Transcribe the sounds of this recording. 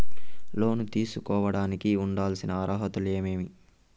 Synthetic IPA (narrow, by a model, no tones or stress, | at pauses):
lo̞ːnut̪iːsukɔːʋɐɽaːnikiuɳɖaːlsinɐɐɾɐɦɐt̪ule̞ːme̞ːmi